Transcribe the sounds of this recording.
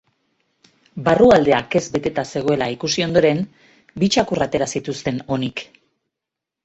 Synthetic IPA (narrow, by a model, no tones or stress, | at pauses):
baruald̪e̞ake̞zbe̞t̪e̞t̪ase̞ɣ̞o̞e̞laikusio̞nd̪o̞ɾe̞m | bit͡ʃakurat̪e̞ɾasit̪ust̪e̞no̞nik